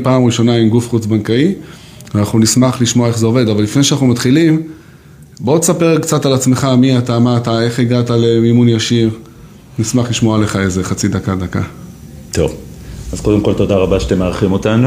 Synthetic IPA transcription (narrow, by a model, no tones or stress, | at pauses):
paːmʁiʃo̞naimɡufχut͡sbankai | vanaχnunismaχliʃmoaeχzeo̞ve̞d̪avalifne̞ʃanaχnumat̪χilim | bod̪esapeʁkt͡satalat͡sme̞χamiatamaːtae̞χiɡatalemimunjaʃiʁ | nismaχliʃmoale̞χaezeχat͡sid̪akad̪aka | t̪ʰo̞vazko̞d̪emko̞lt̪o̞daʁabaʃat̪emːeaʁχimo̞t̪anu